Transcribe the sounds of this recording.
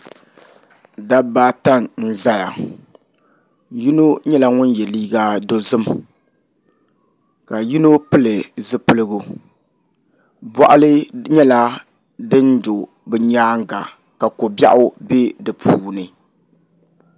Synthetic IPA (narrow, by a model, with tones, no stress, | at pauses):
da˦baː˦ta˦ŋn̩˦˨za˦ja˨ | ji˦no˦ɲɛ˦la˦ŋʊ˦n˦jɛ˨liː˦ɡa˦do˦zɨ˦˨m | ka˨ji˦no˦pɨ˦lɨ˨zɨ˦pɨ˦lɨ˦ɡu˦ | bɔ˦˨ʔʊ˦lɨ˦ɲɛ˦la˦ | dɨ˦ndo˨ | bɨ˨ɲaː˦ŋ˦ɡa˨ | ka˨ko˨bja̰˦ʔʊ˦be˦dɨ˨pʰuː˨nɨ˨